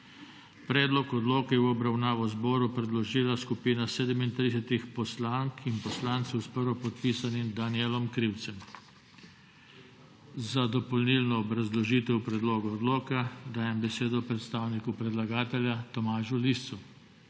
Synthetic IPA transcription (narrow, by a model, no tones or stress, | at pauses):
pɾɛːd̪lɔkɔd̪loːkɛɛwɔbɾawnaːʋɔzbɔːɾupɾɛd̪lɔʒiːlaskupiːnaseːd̪ɛmint̪ɾis̬ɛt̪ixpɔslaŋkinpɔslaːnt̪sɛwspəɾʋɔpɔt̪piːsanimd̪anjɛlɔmkɾiwt̪sɛm | zad̪ɔpɔlnilnɔːbɾazlɔʒiːt̪ɛwpɾɛd̪loːɡɔːd̪loːkad̪aːjɛmbɛseːd̪ɔpɾɛt̪st̪aːwnikupɾɛd̪laɡaːt̪ɛljat̪ɔmaːʒulist̪su